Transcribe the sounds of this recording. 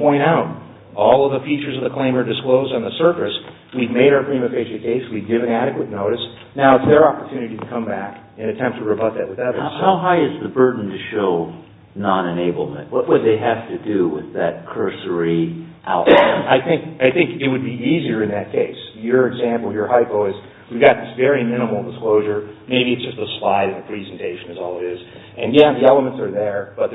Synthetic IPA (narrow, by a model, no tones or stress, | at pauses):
pʰɔ̃ɪ̃ɾ̃aʊɾ | ɔlˠʌvðəfit͡ʃə˞zʌvðɨkʰl̥ẽɪ̃mə˞dɨskloʊzdn̩ðəsɜ˞fɨs | wivmeɪɾakʰɹ̥ĩmɨfeɪʃɨ̃kʰeɪswivɡɪvɨ̃næɾɨkwɨtⁿnoʊɾɨs | naʊətsðə˞ɑpə˞tʰʉnɨɾiɾɨkʰʌ̃mbækɨ̃nɨtʰɛ̃mp̚tʰəɹɨbʌt̪̚ðɨʔ̚wɨðɛvə̥˞haʊɦaɪɨzðɨbɜ˞dⁿn̩tʰɨʃoʊ | nɑ̃ñɨneɪbl̩ˠmə̰̃nʔ̚wʌʔ̚wəd̪̚ðeɪɦæftɨdɨwɪ̰ðɨt̚kʰɜ˞sə˞i | ʔa̰ʊtaɪθɪ̃ŋkaɪθɪ̃ŋkɨt̚wɨd̚biiziə˞ɨ̃nðɨt̚kʰeɪsjə˞ɨɡzæ̃mpl̩ˠjə˞haɪbɔɪz | wivɡɑt̪̚ðɪsvɛɹimɪ̃ñəml̩ˠdəskloʊʒə˞meɪbiɨtsd̥ʒ̥ʌstəslaɪɾɨ̃nðɨpʰɹ̥izn̩tʰeɪʃɨ̃nɨzɔlˠəɾɪz | ɨ̃njæðiɛlˠəmə̃ntsə˞ðə˞b̥ʌt̪̚